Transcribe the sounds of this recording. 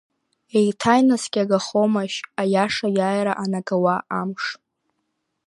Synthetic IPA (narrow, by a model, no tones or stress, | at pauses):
ejtʰajnasɡʲaɡaχomaʃajaʂajaːjɾaʔanaɡawaʔamʂ